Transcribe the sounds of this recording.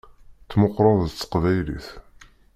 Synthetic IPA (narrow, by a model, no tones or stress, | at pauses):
t͡sːmʊqːɾˤɑðət͡sːə̥qvæjlḭθ